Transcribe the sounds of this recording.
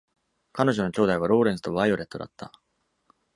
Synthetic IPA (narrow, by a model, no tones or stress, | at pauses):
kano̞ʑo̞no̞kʲo̞ːd̪aiβ̞aɾo̞ːɾẽzɨ̥t̪o̞βaio̞ɾe̞t̪ːo̞d̪a̰t̪ːa̰